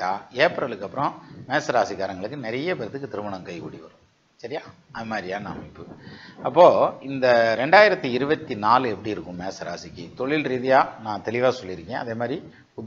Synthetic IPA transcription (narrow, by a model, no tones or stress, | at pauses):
aːeːpɾɐlɯkːɐpːɯɾɔ̃meːsɐɾaːsikːaːɾɐŋɡɐɭɯkːɯnɛɾɐjɐpɛɾɐt̪ːɯkːɯt̪ɪɾɯmɐɳɐmkɐɪkṵːɽiʋɐɾɯ̃ | sɐɾɪjaː | ɐðɐmaːd̪ɾɪjaːna̰ːmɪpːɯɐpːoːɪnd̪ɐɾɛɳɖaːjɪɾɐt̪ːiɪɾɯbɐt̪ːinaːlɛpːɐɽiɪɾɯkːʊ̃meːsɐɾa̰ːsɪkːit̪ɔɭɪlɾiðɐjaːnãːt̪ɛlɪʋaːsɔlːɪɾɯkːẽːɐðeːmaːd̪ɾi | ʊ